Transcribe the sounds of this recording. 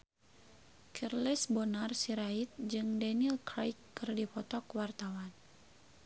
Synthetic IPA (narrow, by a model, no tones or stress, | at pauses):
kʰɛrlisbɔnarsiɾait̪̚d͡ʒɨŋdanilkɾajkːɨrdipɔt̪ɔkwart̪awan